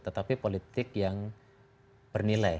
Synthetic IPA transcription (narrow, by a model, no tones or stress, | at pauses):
t̪ət̪apipolit̪ɪkjaŋ | b̥ərnila